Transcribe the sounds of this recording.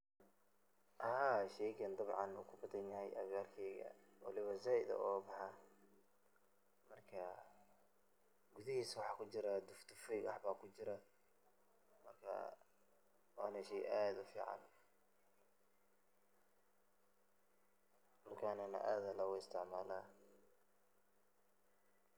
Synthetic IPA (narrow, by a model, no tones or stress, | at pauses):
ʔɐhaːʃɛjɡɐnd̪ɐβʕɑnṵːkʰʊbɐðɐnjɐɦɛjɐ̰βjaːrkʰɛːɣɐ̰wɑ̰lɪβɐzaːʔɪðɐ̰ʔɔːbɑħɑ | mɐrkʰɐ | ɡʊðɪhiːswɑħɑːkʰʊt͡ʃɪɾɐd̪ʊft̪ʊfɔjɡɐħbaːkʰʊt͡ʃɪɾɐ | mɐrkʰɐ̰ | wɑːnɛʃɛjʔaːd̪ʊfḭːʕɑ̰n | mɐrkʰaːnɛnɐ̰ʔaːðɐlɐwʊɪst̪ʰɪʕmaːlaː